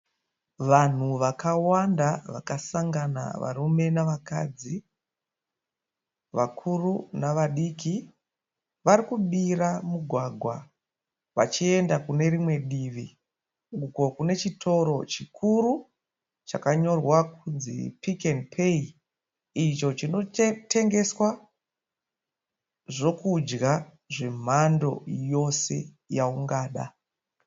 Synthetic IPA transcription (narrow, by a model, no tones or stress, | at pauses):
ʋan̤uʋakawandaʋa̰kasaŋɡana̰ʋa̰rume̞naʋaka̰d͡zi | ʋakʰurunaʋaɗiːki | ʋaɾikuɓiɾamuɡʱwaːɡʱwa | ʋat͡ʃie̞ndakune̞rimwe̞ɗiʋi | ŋɡuko̞kune̞t͡ʃitʰo̞ɾo̞t͡ʃikʰuɾu | t͡ʃakaɲo̞rwakunzḭpikenpʰei | it͡ʃo̞t͡ʃino̞te̞ŋɡe̞swa | ʐo̞kud͡ʒɡa | ʐe̞m̤ando̞̰jo̞se̞̰ | jauŋɡaːɗa̰